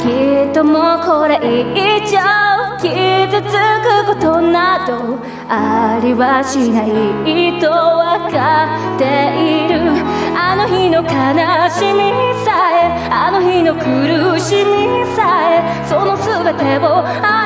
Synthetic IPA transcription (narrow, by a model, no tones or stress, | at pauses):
kʲit̪ːomokoɾeʔiit͡ɕakʲizɨt͡sɨkɯko̞t̪o̞nad̪o̞ | aɾʲiβaɕinaiit̪owaka | t̪eiɾɯ̟ | ano̞çino̞kanaɕimisae | ano̞çino̞kʰɯ̟ɾɯɕiɲisae | sono̞sɨbe̞t̪ebo | a